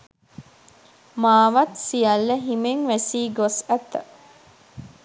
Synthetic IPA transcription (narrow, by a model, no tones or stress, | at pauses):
maːʋɐt̪sijɐlːəɦimeŋʋæsiːɡosæt̪ːə̰